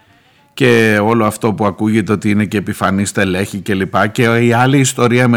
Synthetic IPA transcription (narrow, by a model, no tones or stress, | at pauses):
ce̞o̞loɐft̪o̞puɐkuʝet̪e̞o̞t̪iine̞ce̞ːpifɐnist̪ele̞çice̞lipɐce̞iɐliːst̪o̞ɾiɐme